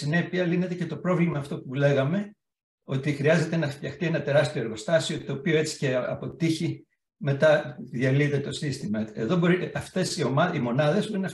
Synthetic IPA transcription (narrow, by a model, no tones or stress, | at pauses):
sine̞piɐline̞t̪e̞ce̞t̪o̞pɾo̞vlimɐːft̪o̞pule̞ɣɐme̞ | o̞t̪ixɾiɐze̞t̪e̞nɐft̪çɐxt̪ie̞nɐt̪e̞ɾɐst̪io̞e̞ɾɣo̞st̪ɐsio̞t̪oːpio̞e̞t͡si̥ce̞ɐ̰po̞t̪içi | me̞t̪ɐðiɐliet̪e̞t̪o̞sist̪imɐeðo̞bo̞ɾiɐft̪e̞sio̞mɐimo̞nɐðe̞zbo̞ɾinɐ